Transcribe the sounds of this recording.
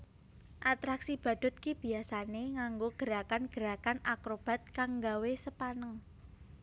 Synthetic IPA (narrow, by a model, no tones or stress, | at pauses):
ʔat̪ɾaksib̥ä̤d̪̥ʊ̤t̪̚kib̥i̤asaneŋaŋɡoɡ̥əɾakanɡ̥əɾakanakɾob̥a̤t̪̚kaŋɡawesəpanəŋ